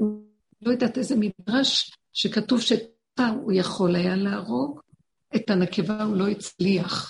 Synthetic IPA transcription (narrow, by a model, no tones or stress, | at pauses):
u | lo̞jadatezemidʁaʃ | ʃekatuvʃek̚ | aujaχo̞lajalaːʁo̞ɡ | etanekevaulo̞it͡sliaχ